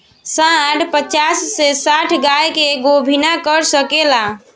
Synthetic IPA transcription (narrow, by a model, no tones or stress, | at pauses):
sãʈʰpət͡ʃasːesaʈʰɡajkeɡobʱinakəɾsəkela